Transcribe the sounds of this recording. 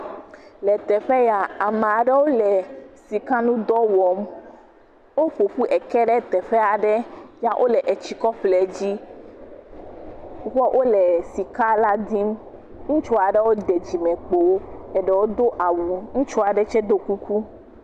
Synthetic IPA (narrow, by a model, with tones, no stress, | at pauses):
lɛ˨t̪ɛ˨ɸɛ˦ja˨a˨m̃˨a˨ɖɛ˦wo˦lɛ˨si˨kã˦nũ˦d̪ɔ˦wɔ˨˦m | wo˦ɸo˨ɸu˦ʔɛ˨kɛ˦ɖɛ˦t̪ɛ˨ɸɛ˦a˨ɖɛ˦ja˦ʔo̰˦lɛ˨ʔɛ˨t͡ɕi˨kɔ˦ɸlɛ˨d͡ʑi˦ | wɔ˦ʔo˦lɛ˨si˨ka˦la˦d̪i˦m | ŋũ˦t͡ʃo˦a˨ɖɛ˦wo˦d̪ɛ˨d͡ʑi˨mɛ̃˨k͡po˨wo˦ɛ˨ɖɛ˨wo˦d̪o˦ʔa˨wu˨ŋũ˦t͡ʃo˦a˨ɖɛ˦t͡ʃɛ˦d̪o˦ku˦ku˦